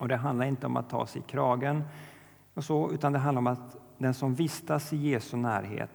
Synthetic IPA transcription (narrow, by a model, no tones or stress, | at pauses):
ɔd̪ɛɦand̪laɾɪnt̪əɔ̰ma̰t̪ʰːɑ̰ːsɛjkʰɾɑːɡən | ɔsɔʉ̟ːt̪and̪ɛɦand̪aɾɔmat̪ | d̪ɛnsɔmvɪst̪asɪjeːsɵnæːɾɦḛːt̪